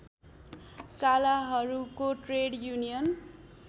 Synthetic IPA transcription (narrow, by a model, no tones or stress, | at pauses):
kalaɦʌɾukoʈreɽjunijʌn